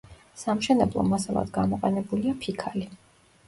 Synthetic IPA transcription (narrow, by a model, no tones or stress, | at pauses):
samʃɛnɛblˠɔ̰masalˠa̰d̪̥ɡamɔqʼɛnɛbuliapʰikʰali